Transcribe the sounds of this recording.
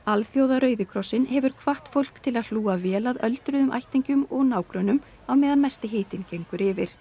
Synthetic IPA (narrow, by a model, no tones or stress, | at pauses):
alθjowðaɾœːɥðʏkʰɾɔsːɪnhɛvʏɾ̥kʰvaht̪fowl̥kt̪ʰɪlaðl̥uːavɛːlaðœlt̪ɾʏðʏmʔa̰jht̪iɲcʏmɔɣnaːwkɾœnʏm | awmɛːðanmɛst̪ɪɦeːjt̪ɪncejŋkʏɾɪvɪɾ̥